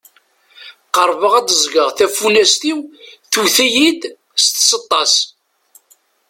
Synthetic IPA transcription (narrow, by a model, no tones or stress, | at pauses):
qəɾˤvəʁæd̪əzˤɡəʁθæfunæst̪iwθuθæjid̪ | st̪sət̪ˤːɑs